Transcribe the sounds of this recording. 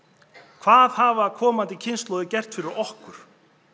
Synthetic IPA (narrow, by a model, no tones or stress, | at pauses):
kʰvaːðhaːvaːðkʰɔːmant̪ɪcʰɪnst̪lɔwðɪcɛr̥t̪fɪɾɪɾɔhkʏɾ̥